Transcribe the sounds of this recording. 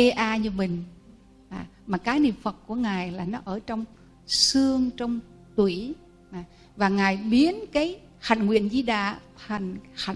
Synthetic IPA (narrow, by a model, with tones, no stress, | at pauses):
e˧ʔaː˧ɲɨ˧mï˨˩ŋ̟ | ʔaː˨˩ | maː˨˩kaː˨˦knḭ˧˨əmfə˨˩t̚ku˧˩əŋaː˨˩jlaː˨˩nɔ˨˦ʔəː˧˩t͡ɕɔ˧wŋ͡m | sɨ˧əŋt͡ɕɔ˧wŋ͡m | t̪wi˧˩ | ʔaː˨˩ | vaː˨˩ŋaː˨˩jɓi˨˦ənkaː˨˦j | ha˨jŋ̟ŋwḭ˧˨ənzi˧ɗa̰ː˧˨t̪ʰa˨˩jŋ̟ha˨˧˩